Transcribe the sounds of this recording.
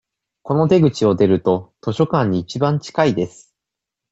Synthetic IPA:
ko̞no̞t̪e̞ɡɯ̟t͡ɕio̞d̪e̞ɾɯ̟t̪o̞t̪o̞ɕo̞kãɲ̟ːiːt͡ɕibãɲ̟t͡ɕi̥kaid̪e̞sɨ̥

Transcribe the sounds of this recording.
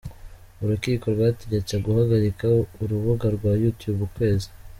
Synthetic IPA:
uɾukiːko̞ɾɡwaːteɟecaɡuhaɡaɾikaouɾuβuɡaɾɡwaːjutjubukwe̞ːzi

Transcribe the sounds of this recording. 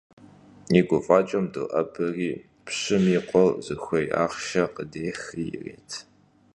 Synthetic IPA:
iɡʷʊfʼaːt͡ʃʼɐmdo̰ʔɐbɨriː | pɕɪmiːqʷʼɔwzɨxʷɔjʔa̰ːʁʃɐqədeːxijɪrḛːtʰ

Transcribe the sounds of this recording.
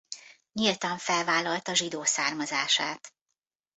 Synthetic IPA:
ɲilt̪ɒɱfɛlvaːlːɒlt̪ɒʒid̪oːsaːrmɒzaːʃaːt̪

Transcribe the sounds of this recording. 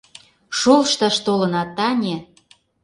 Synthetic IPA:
ʃolʃt̪ɑʃt̪olɤ̆nɑt̪ɑnʲe

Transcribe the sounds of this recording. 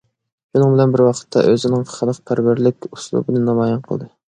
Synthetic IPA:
ʃunɨŋbɪlɛnbɪɾwɑqʰə̥t̪ʰːɑ̰ʔøzɪnɪŋχəlˠəq̚pʰæɾwæɾlɪkʲuslˠṵbɨnɨnɑmɑjɑnqʰəlˠd̪ɨ

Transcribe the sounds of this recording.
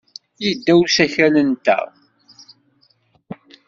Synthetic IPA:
jəd̪ːæwsæçænənt̪æ̰

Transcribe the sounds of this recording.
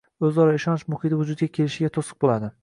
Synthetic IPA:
ɵzɒɾɒɪʃɒnɪʃmʊχit̪ɪvʊd͡ʒʊd̪̚ɡʲakʲʰelɪʃɪɡʲat̪ʰosɨ̥q̚bolˠad̪ɪ

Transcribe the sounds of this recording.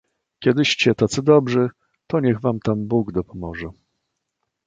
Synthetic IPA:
kʲɛd̪ɘɕt͡ɕɛt̪at̪sɘd̪ɔbʐɘ | t̪ɔɲɛɣvamt̪ambuɡd̪ɔpɔmɔʐɛ

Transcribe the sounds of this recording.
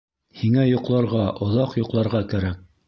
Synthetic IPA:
hiŋæjŏqlˠɑɾʁɑʔŏðɑqjŏqlˠɑɾʁɑkæɾæk̚

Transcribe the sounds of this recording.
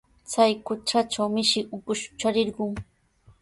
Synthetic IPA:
t͡sajkʊt͡ʃat͡ʃawmɪʃɪʔʊkʊʃʊ̥t͡ʃaɾɪɾɢʊŋ

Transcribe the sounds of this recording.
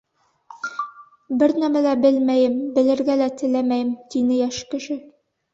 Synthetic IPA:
bɘɾnæmælæbɘlmæjɘmbɘ̆lɘ̆ɾɡælæt̪ɘ̆læmæjɘmt̪inɘjæʃkɘ̆ʃɘ

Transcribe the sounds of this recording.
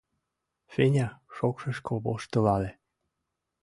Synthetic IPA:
fenʲɑʃokʃɤ̆ʃkoboʃt̪ɤ̆lɑle

